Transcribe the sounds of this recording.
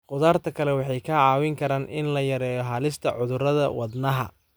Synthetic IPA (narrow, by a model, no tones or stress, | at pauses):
qʊðaːrt̪ʰɐkʰɐlɛwɑħɑjkʰɐʕɑːwɪŋkʰɐɾaːnʔɪnlɐjɐɾɛːjɔɦɐlɪst̪ʰɐʕʊðʊrɐðɐwɑd̪nɐɦɐ̰